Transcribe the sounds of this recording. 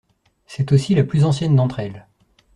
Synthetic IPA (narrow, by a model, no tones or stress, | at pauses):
sɛt̪osilaplyzɑ̃sjɛnd̪ɑ̃t̪χɛl